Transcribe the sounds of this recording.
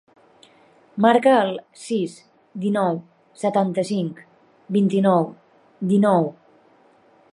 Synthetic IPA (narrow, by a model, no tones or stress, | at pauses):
maɾkəːlˠ | sis | d̪inɔw | sət̪ant̪əsiŋk | bint̪inɔw | d̪inɔw